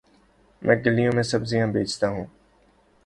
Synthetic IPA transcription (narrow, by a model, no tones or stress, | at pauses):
mʔɛ̃ːɡɐlːijõmẽsɐbzijãbeːt͡ʃt̪aɦũː